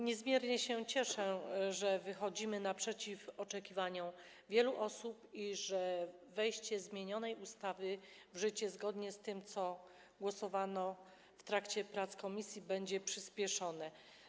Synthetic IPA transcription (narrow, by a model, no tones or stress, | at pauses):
ɲɛzmʲjɛɾɲɛɕɛt͡ɕɛʂɛʐɛvɘxɔd͡ʑimɘnapʂɛt͡ɕifɔt͡ʂɛkʲivaɲɔ | vʲjɛluʔɔsupiʐɛvɛjɕt͡ɕɛzmʲjeɲɔnɛjust̪avɘvʐɘt͡ɕɛzɡɔd̪ɲɛst̪ɘmt̪sɔ | ɡwɔsɔvanɔ | ft̪ɾakt͡ɕɛpɾat̪skɔmʲisʲjibɛɲd͡ʑɛpʂɘspʲjɛʂɔnɛ